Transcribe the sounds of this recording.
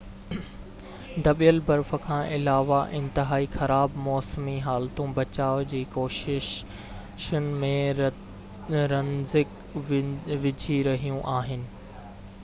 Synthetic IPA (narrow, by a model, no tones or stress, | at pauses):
d̪ɐɓijəlbɐɾfə̆kʰãːʔɪlaːʋaʔɪ̃nt̪ɪɦaːixɐɾaːbmɔːsmiɦaːlt̪ũbɐt͡ɕaːʋd͡ʑiːkoːʃɪʃ | ʃʊnɪ̆mẽ | ɾɐnzɪk | ʋɪd͡ʑʱiɾɐɦijũʔaːɦɪnɪ̆